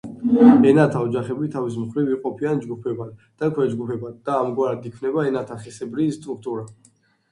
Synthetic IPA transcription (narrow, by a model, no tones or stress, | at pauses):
ɛnat̪ʰaɔd͡ʒaχɛbit̪ʰavis̬mχɾiviqʼɔpʰiand͡ʒɡupʰɛban | d̪̥akʰwɛd͡ʒɡupʰɛband̪̥aːmɡwaɾad̪ikʰvnɛbaɛnat̪ʰaχɛsɛbɾist̪ʼɾuk̚ʰt̪ʼuɾa